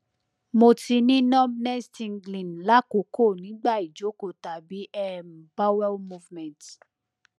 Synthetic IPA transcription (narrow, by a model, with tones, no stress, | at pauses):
mo˧ti˧nĩ˦nɔ̃˦mnɛ˦stĩ˧nɡlĩ˨n˨la˦ko˨˦ko˦˨nĩ˨˦ɡ͡ba˦˨i˨d͡ʒo˨˦ko˨ta˨bi˨˦ʔɛ˦m˨ba˦wɛ˦lmu˧vmɛ̃˨nt